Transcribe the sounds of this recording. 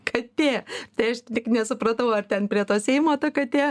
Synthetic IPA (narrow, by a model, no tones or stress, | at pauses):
kʰɐtt̪ʲeːt̪ɐɪɐʃt̪ʲɪknʲɛsʊpɾɐt̪ɐʊɐrt̪ʲɛnpʲɾʲiɛt̪oːsʲɛɪmoːt̪ɐkɐt̪ʲeː